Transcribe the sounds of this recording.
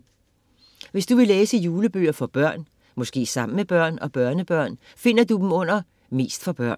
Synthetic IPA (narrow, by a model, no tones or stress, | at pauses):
ʋe̝sd̥uʋe̝leːsəjuːləb̥ø̰ːɐfɒ̽b̥ɶɐ̰n | mɔ̽sɡ̥e̝̰ːsɑ̈m̰n̩meb̥ɶɐ̰nɒ̽b̥ɶɐnəb̥ɶɐ̰n | fe̝n̰ɐd̥ud̥m̩ɔ̽n̰ɐ | me̝̰ːsd̥fɒ̽b̥ɶɐ̰n